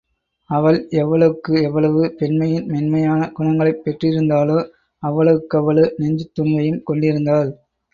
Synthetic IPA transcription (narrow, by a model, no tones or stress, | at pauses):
ɐʋɐɭɛʋːɐɭɐʋɯkːɯɛʋːɐɭɐʋɯpɛnmɐjɪnmɛnmɐjaːnɐɡʊɳɐŋɡɐɭɐɪpːɛʈrɪɾɯnd̪aːloː | ɐʋːɐɭɐʋɯkːɯɐʋɐɭɯnɛɲd͡ʒɯt̪ːʊnʋɐjɯmkɔɳɖɪɾɯnd̪aːl